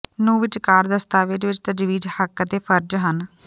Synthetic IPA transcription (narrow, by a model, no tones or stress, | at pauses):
nũːʋɪt͡ʃkaːɾd̪əst̪aːʋɪd͡ʒʋɪt͡ʃt̪əd͡ʒʋiːd͡ʒhəkːt̪eːpʰəɾd͡ʒɦən